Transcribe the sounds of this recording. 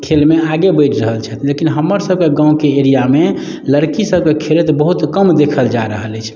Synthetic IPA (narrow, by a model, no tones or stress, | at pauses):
kʰelmeaɡebəɪʈʰɾəɦəlt͡ʃʰɛt̪lekinɦəmːəɾsəb̚keɡãukeeɾijame | ləɾkisəb̚kekʰelet̪bəɦut̪kəmd̪ekʰəld͡ʒaɾəɦəlɛt͡ʃʰ